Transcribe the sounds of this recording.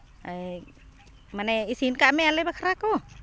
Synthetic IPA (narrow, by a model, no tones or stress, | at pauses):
a | manɛisinkaʔmɛalajbakʰaɾako